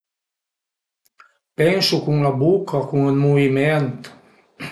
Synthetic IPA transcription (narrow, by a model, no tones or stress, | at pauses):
pɛnsukuŋlabukʰakuŋəlmuvimɛnt̪